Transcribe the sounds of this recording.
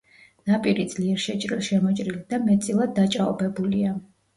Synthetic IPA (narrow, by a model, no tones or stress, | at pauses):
napʼiɾid̪z̥liɛɾʃɛt͡ʃʼɾilˠʃɛmɔt͡ʃʼɾild̪̥amɛt̪sʼilˠad̪̚ːat͡ʃʼaɔbɛbulia